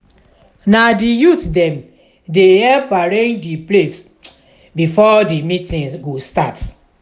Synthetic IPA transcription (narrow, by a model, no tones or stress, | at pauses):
nadijutdɛ̃m | deɛpaɹẽd͡ʒdiples | bifɔdimĩtĩŋɡostat